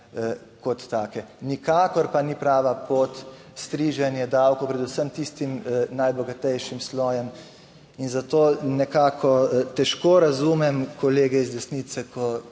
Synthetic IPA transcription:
kɔt̪ːaːkɛnikaːkɔɾpanipɾaːʋapoːt̪ | st̪ɾiːʒɛnjɛd̪awkɔpɾɛd̪usəmt̪ist̪imnajbɔɡat̪ɛjʃimslɔːjɛm | inzat̪oːnɛkaːkʰɔt̪ɛʃkoːɾazumɛmkɔleːɡɛizd̪ɛsniːt̪sɛkʰɔ

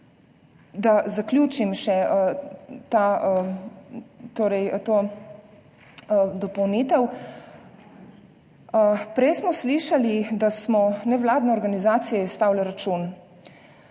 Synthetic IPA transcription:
d̪azaklʲjuːt͡ʃimʃɛ | t̪a | t̪oːɾɛjt̪oː | d̪ɔpɔwniːt̪ɛw | pɾɛjsmɔsliʃalid̪asmɔnɛʋlaːd̪nɛɔɾɡanizaːt̪sijɔist̪aːwlɛɾat͡ʃun

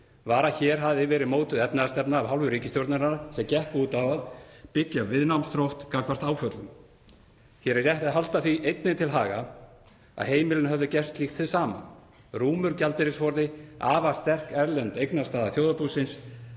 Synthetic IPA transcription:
vaːɾaçɛːɾ̥ɦavðɪvɛːɾɪðmoːwt̪ʏðɛpnaðast̪ɛpnaːvɦawlvʏɾiːcɪst̪jowɾt̪naɾaɾasɛmcɛhpuːt̪avaðpɪcːaavvɪðnawmst̪ɾowht̪kakvar̥t̪aːwfœt̪lʏm | çɛɾrjɛht̪ɪðɦalt̪aθviʔejt̪nɪnt̪ʰɪlɦaːɣa | a̰ðheːjmɪlɪnhœvðʏcɛr̥st̪lixt̪θʰɪðsaːma̰n | ruːmʏɾcalt̪ɪɾɪsfɔɾðɪaːvast̪ɛr̥kɛɾlɛnt̪ejknast̪aːðaθjowðapusɪns

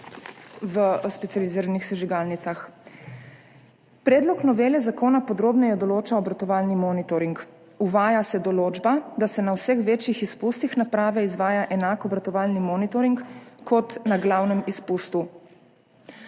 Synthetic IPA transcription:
ʋəspɛt̪sializiːɾanixsɛʒiɡaːlnit̪sax | pɾɛːd̪lɔknɔʋeːlɛzakoːnapɔd̪ɾoːbnɛjɛd̪ɔloːt͡ʃaɔbɾat̪ɔʋaːlnimɔːnit̪ɔɾiŋk | uʋaːjasɛd̪ɔloːd͡ʒbad̪asɛnawsɛxʋeːt͡ʃjixispust̪ixnapɾaːʋɛizʋaːjaʔɛnaːkɔbɾat̪ɔʋaːlnimɔːnit̪oɾiŋkkɔt̪naɡlaːwnɛmispust̪u

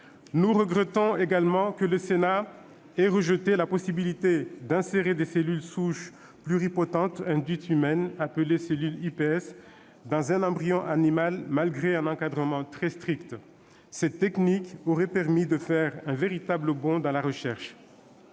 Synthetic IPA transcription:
nuʁəɡʁɛt̪ɔ̃eɡalmɑ̃kələsena | ɛʁəʒət̪elapɔsibilit̪ed̪ɛ̃seʁed̪eselylsuʃ | plyʁipɔt̪ɑ̃t̪ɛ̃d̪ɥit̪ymɛnapəleselylipeɛs | d̪ɑ̃zɛ̃nɑ̃bʁijɔ̃ʔanimalmalɡʁeɛ̃nɑ̃kad̪ʁəmɑ̃t̪χɛst̪χikt̪ | sɛt̪ːɛknikoʁɛpɛʁmid̪əfɛʁɛ̃veʁit̪abləbɔ̃d̪ɑ̃laʁəʃɛʁʃ

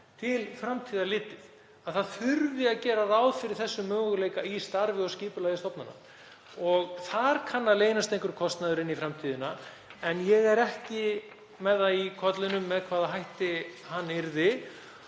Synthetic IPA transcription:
t̪ʰɪlfɾamt̪ʰiːðalɪːt̪ɪð̥ | aðθaðθʏɾvɪaðcɛːɾaraːwðfɪɾɪɾ̥θɛsːʏmːœːɣʏleːjkaist̪aɾvɪɔɣsciːpʏlajðɪst̪ɔpnana̰ | ɔɣθaɾ̥kʰanːaleːjnast̪ẽjŋkɾkʰɔst̪naðʏɾɪnːifɾamt̪ʰiːðɪna | ɛnjɛɣɛɾɛhcɪ | mɛðaikʰɔt̪lɪnʏmːɛðkʰvaːðaɦajht̪ɪhanːɪɾðɪ

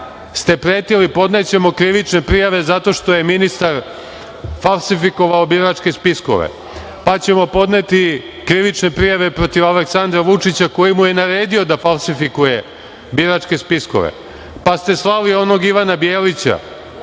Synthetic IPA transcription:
st̪e̞pɾe̞ːt̪ilipo̞d̪ne̞t͡ɕe̞mo̞kɾiʋit͡ʃne̞pɾijaʋe̞zat̪o̞ʃt̪o̞je̞minist̪aɾ | falˠsifiko̞ʋaobiɾat͡ʃke̞spisko̰ʋḛ | pat͡ɕe̞mo̞po̞d̪ne̞t̪i | kɾiʋit͡ʃne̞pɾijaʋe̞pɾo̞t̪iʋaleksand̪ɾaʋut͡ʂit͡ɕako̞jimuje̞naɾe̞ːd̪io̞d̪afalˠsifikuje̞ | biɾat͡ʂke̞spisko̰ʋḛ | past̪e̞slalio̞no̞ɡiʋanabjeːlit͡ɕa̰

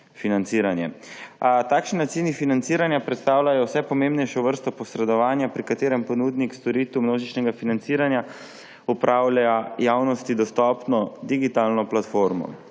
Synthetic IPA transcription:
finant̪siːɾanjɛ | t̪akʃnat̪sinifinant̪siːɾanjapɾɛt̪st̪aːwlʲajɔwsɛpɔmẽmbnɛjʃɔʋəɾst̪ɔpɔsɾɛd̪ɔʋaːnjapɾikat̪eːɾɛmpɔnud̪nikst̪ɔɾiːt̪umnoːʒit͡ʃnɛɡafinant̪siːɾanja | upɾʔawlaajaːwnɔst̪id̪ɔst̪ɔːpnɔd̪iɡit̪alnɔplat̪foɾmɔ̰

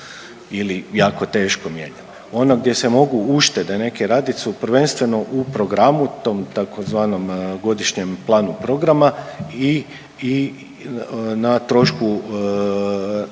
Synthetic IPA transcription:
ilijaːko̞t̪e̞ːʃkomjḛːɲan | o̞noɡd̪ʲje̞se̞mo̞ɡuuʃt̪ed̪ene̞keɾaːd̪it̪supɾʋe̞nst̪ʋe̞no̞ʔupɾo̞ɡɾamut̪o̞ːmt̪akozʋaːno̞mɡo̞d̪iʃɲemplˠaːnupɾo̞ɡɾamai | i | nat̪ɾo̞ʃku

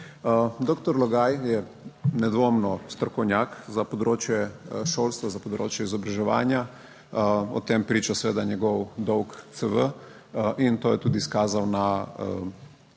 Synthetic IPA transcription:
d̪okt̪ɔɾlɔɡaːjjɛ | nɛd̪ʋomnɔst̪ɾɔkɔwnʲjaːkzapɔd̪ɾoːt͡ʃjɛʃoːlst̪ʋazapɔd̪ɾo̰ːt͡ʃjɛizɔbɾaʒɛʋa̰ːnja | ɔ̰t̪empɾiːt͡ʃasɛʋeːd̪aɲɛɡɔwd̪ɔwkt̪səʋə | ʔint̪oːjɛt̪uːd̪iːskaːzawna

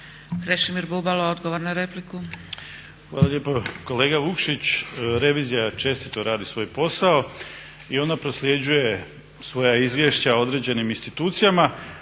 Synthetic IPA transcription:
kɾeʃimiɾbubalood̪ɡoʋoɾnaɾepliku | xʋaːlaʎeːpoko̞le̞ːɡaʋukʃit͡ɕɾe̞ʋiːzijat͡ʃe̞st̪it̪oɾaːd̪isʋo̞ːjpo̞sao | io̞napɾo̞slʲje̞d͡ʑuje̞ | sʋo̞jaizʋʲje̞ʃt͡ɕao̞d̪ɾe̞d͡ʑe̞niminst̪it̪uːt̪sijama

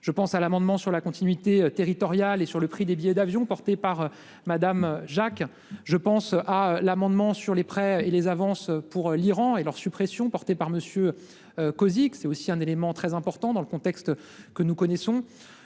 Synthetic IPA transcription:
ʒ̥əpɑ̃salamɑ̃d̪mɑ̃syʁlakɔ̃t̪inɥit̪eøt̪eʁit̪ɔʁjalesyʁləpχid̪ebijɛd̪avjɔ̃pɔʁt̪epaʁ | mad̪amʒak | ʒəpɑ̃salamɑ̃d̪mɑ̃syʁlepχɛelezavɑ̃søpuʁliʁɑ̃elœʁsypχɛsjɔ̃pɔʁt̪epaʁməsjø | økɔziksɛt̪osiɛ̃nelemɑ̃t̪χɛzɛ̃pɔʁt̪ɑ̃d̪ɑ̃ləkɔ̃t̪ɛkst̪ | kənukɔnɛsɔ̃

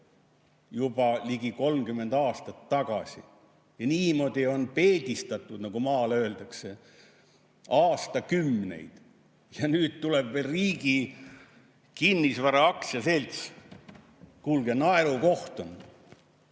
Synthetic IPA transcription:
jub̥ɑliɡiko̞lmkymːe̞nd̪ɑːst̪ɑt̪ːɑɡ̥ɑsʲḭ | jɑniːmo̞d̪̥io̞npe̞ːd̪ist̪ɑt̪ːˑud̪nɑɡ̥umɑːløːld̪ɑkse̞ | ɑːst̪ɑkymːne̞̰jd̪̥ | jɑnyːd̪̥̚t̪uleb̥velriːɡ̥i | kinːisvæɾɑɑksjɑse̞lʲt̪s | kulɡenɑeɾuko̞ht̪om

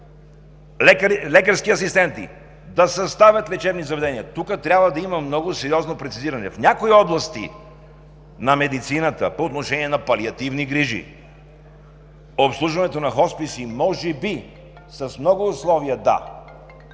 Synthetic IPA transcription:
lɛkəɾskiɐsist̪ɛnt̪ḭ | d̪ɐsɐst̪avʲɐt̪lɛt͡ʃɛbnizɐvɛd̪ɛniət̪ukət̪ɾʲabvəd̪ɐiməmnɔɡosɛɾiɔznopɾɛt̪siziɾɐnɛfnʲakoiɔblˠɐst̪ḭ | nɐmɛd̪it̪sinət̪ə̰poːt̪noʃɛniɛnɐpɐliɐt̪ivniɡɾiʒḭ | opslˠuʒvɐnɛt̪onɐxɔspisimɔʒɛbi | sɐsmnɔɡʊːslˠɔviəd̪a̰

